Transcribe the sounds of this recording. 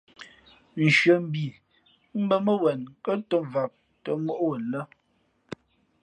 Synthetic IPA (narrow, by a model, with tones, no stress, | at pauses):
n̩˨ʃɰə˨m̩˦bi˨ | m̩˦bə˦mə˦wɛ˨nkə˦to˦va˨p̚ | tə˨mo˦ʔo˦ə˨lə˦